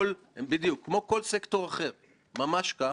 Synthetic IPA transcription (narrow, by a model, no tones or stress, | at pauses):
l | embid̪jukʰːmo̞ko̞lsekto̞ʁaχe̞ʁ | mamaʃka